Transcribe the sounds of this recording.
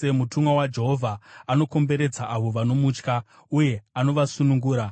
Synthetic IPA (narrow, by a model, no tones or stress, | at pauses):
emutumwawad͡ʒe̞ɦovʱaano̞ko̞mbe̞ɾe̞d͡zaʔaʋo̞ʋano̞muːt͡ʃka | uje̞ano̞ʋasunuŋɡuːɾa